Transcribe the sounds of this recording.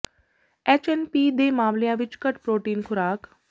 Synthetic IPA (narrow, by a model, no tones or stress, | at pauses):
et͡ʃenpid̪emaʋljãʋit͡ʃkəʈpɾoʈiːnkʰuɾaːk